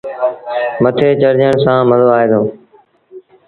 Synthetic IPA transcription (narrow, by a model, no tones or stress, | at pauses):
mət̪ʰeːt͡ʃəɾd͡ʒəɳ̃sãːməzoːaːɦeːd̪oː